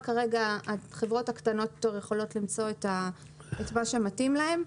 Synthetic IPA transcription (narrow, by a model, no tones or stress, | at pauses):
kaʁe̞ɡaːχe̞vʁo̞thakt̪ano̞t̪jtoʁjeχo̞lo̞tlimt͡so̞eta | etmaʃe̞matimlae̞m